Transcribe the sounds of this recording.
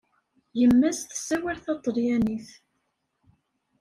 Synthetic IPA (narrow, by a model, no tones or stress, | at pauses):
jəmːæsθəsːæwæɾθɑt̪ˤːəljæniθ